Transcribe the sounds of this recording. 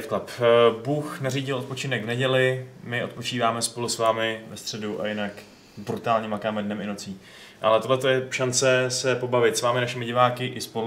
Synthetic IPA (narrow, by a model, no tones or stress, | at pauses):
t̪klapbuːxnariːɟɪlʔot̪̚po̞t͡ʃɪnɛɡvnɛɟɛlɪmɪʔo̞t̪̚po̞t͡ʃiːvaːmɛspo̞lusvaːmɪvɛst̪r̥ɛduʔa̰jɪnak | bɾut̪aːlɲɛmakaːmɛdnɛmɪno̞t͡siː | ʔalɛt̪odlɛt̪o̞jɛʃant͡sɛsɛpo̞bavɪt̪svaːmɪnaʃɪmɪɟɪvaːkɪʔɪspo̞lu